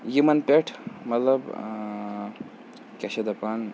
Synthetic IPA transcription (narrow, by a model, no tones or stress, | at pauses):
jimɐnpeʈʰmɐt̪lɐb | kʲɐɕɐd̪ɐpan